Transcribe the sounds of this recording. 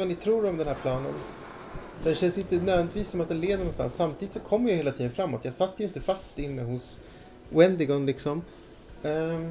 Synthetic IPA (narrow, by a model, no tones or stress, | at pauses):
ɛnɪt̪ʰɾuːɾɔmd̪ɛnɦæɾpʰlɑːnə̰n | d̪̥ɛnɕɛnsɪnt̪ənøːvɛnɪt̪ʰviːsːɔmat̪̚d̪ɛnleːd̪əɾɳɔnst̪a̰nsːamt̪ʰiːd̪ɪt̪sɔkʰɔmːjɑjheːlat̪ʰiːd̪ənfɾamːɔt̪jɑːɡsat̪ːəjʏɪnt̪əfast̪ɪnːəhʊs | ʊɛnd̪ɪɡɔnlɪksɔm